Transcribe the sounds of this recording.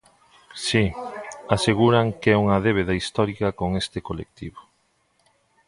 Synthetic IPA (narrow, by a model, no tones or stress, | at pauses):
siaseɣuɾaŋkɛuŋɐðeβ̞eðaist̪ɔɾikɐkoŋest̪ɪkolḛk̚t̪iβo